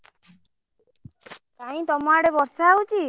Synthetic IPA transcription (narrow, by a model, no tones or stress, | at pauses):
kaĩt̪ɔmaɽebɔɾsaawt͡ʃʰi